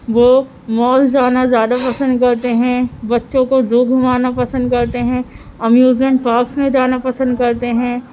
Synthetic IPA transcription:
ʋoː | mɔːld͡ʒaːnazjaːd̪apɐsə̃nd̪kɐɾt̪eɦɛ̃bɐtːʃõkod͡ʒoːɡʱʊmaːnapɐsə̃nd̪kɐɾt̪eɦɛ̃ː | ɐmjuːzmẽɳʈ̚paːksmẽd͡ʒaːnapɐsə̃nd̪kɐɾt̪eɦɛ̃ː

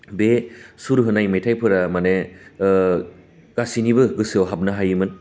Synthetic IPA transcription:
besuɾɦɯnajmejtʰajpʰɯɾamane | ɡ̥asinibɯɡɯsɯowɦab̚naɦajɯmɯn

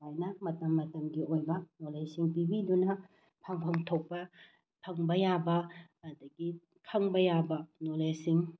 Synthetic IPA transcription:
ajnɐmɐtɐmːɐtɐmɡiʔojbɐnolesiŋpibidunɐ | pʰɐŋpʰɐŋtʰok̚pɐ | pʰɐŋbɐjabɐː | dɐɡi | kʰɐŋbɐjabɐnolesiŋ

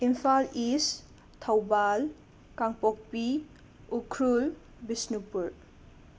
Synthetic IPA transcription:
impʰalis | tʰawbal | kaŋpɔk̚pi | ukʰɾul | bisnupuɾ

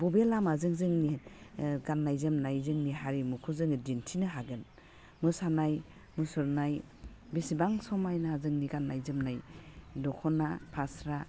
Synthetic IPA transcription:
bɔbelamazɯŋzɯŋni | ɡanːajzɯmnajzɯŋniɦaɾimukʰuzɯŋdintʰinɯɦaɡɯn | mɯsanaj | musɔɾnaj | bisibaŋsɔmajnaazɯŋniɡanːajzɯmnajdɔkʰɔnapʰasɾa

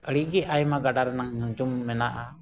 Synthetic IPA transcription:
əɽiɡɛajmaɡaɖaɾnaŋnud͡ʒumːɛnaʔa̰

